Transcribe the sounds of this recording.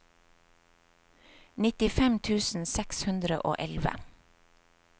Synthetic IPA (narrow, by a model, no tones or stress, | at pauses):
nɪt̪ɪfɛmt̪ʰʉːsn̩sɛkshʉnd̪ɾə̰ʔo̰ːʔɛlʋə̰